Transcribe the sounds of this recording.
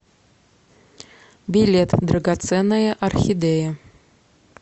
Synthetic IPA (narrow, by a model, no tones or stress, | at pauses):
bʲilʲet̪d̪rɐɡat̪sɛnːəjəʔɐrxʲid̪ejə